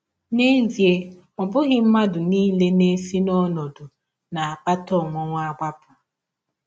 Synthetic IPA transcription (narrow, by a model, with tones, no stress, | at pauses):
ne˦n̩˦zi˨e˨ | ɔ˨bʊ˦ɣɪ˦m̩˦ma˦dʊ˨niː˦le˦ne˦si˦nɔ˦nɔ˨dʊ˨ | na˨a˨k͡pa˦tɔ˦˨ŋʷɔ˦ŋʷ˦a˦ɡ͡bʷa˦pʊ̥˨